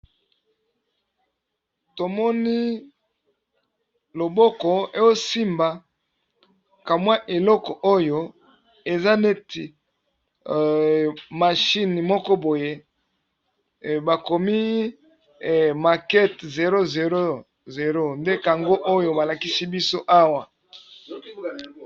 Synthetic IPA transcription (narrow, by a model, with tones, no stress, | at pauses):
to˨mɔ˦ni˦ | lo˨bɔ˦kɔ˨e˦jo˦si˦mba˨ | ka˨mwa˦ʔe˨lɔ˦kɔ˨ʔo˦jo˨ | e˨za˦ne˦ti˨ | ma˨ʃi˦ni˨mɔ˦kɔ˦bo˨je˦˨ | ba˨ko˨mi˦˨ | ma˨kɛ˦tze˨ɾo˦ze˨ɾo˦ | ze˨ɾo˦nde˦ka˨ŋɡo˦ʔo˦jo˨ba˨la˨ki˦si˦bi˦so˦ʔa˦wa˨